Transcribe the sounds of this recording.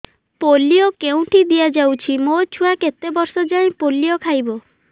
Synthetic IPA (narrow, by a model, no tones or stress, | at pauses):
polijokeũʈid̪iad͡ʒawt͡ʃʰimot͡ʃʰuaket̪ebɔɾsɔd͡ʒaĩpolijɔkʰajbɔ